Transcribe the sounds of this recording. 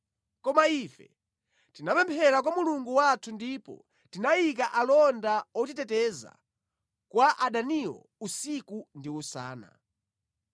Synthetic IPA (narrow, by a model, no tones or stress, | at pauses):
kɔmaifɛ̰ | tinapɛmpʰɛɾakwamuluŋɡuwatʰundipɔ̰ | tinajikaʔalɔndaɔtitɛtɛza̰ | kwaʔaɗaniɔ̰ | usikundiusa̰ːna̰